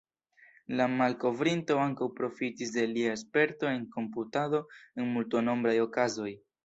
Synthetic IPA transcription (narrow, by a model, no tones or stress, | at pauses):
lamalko̞vɾinto̞aŋkawpɾo̞fitisde̞liaespe̞ɾto̞e̞ŋko̞mputado̞e̞nmultono̞mbɾajo̞kazo̞j